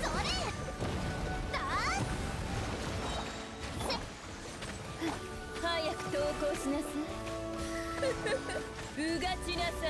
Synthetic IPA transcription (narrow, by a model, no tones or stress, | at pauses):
oɾe | d̪a | hajakɯ̟̥t̪oːkoːɕinasa | ɯɡaɕinasa